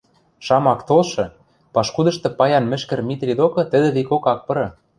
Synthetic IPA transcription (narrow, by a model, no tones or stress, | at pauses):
ʃɑmɑkt̪olʃɤ̆ | pɑʃkud̪ɤ̆ʃt̪ɤ̆pɑjɑnmɘ̆ʃkɘ̆rmʲit̪rʲid̪okɤ̆t̪ɘ̆d̪ɘ̆βikokɑk̚pɤ̆ɾɤ̆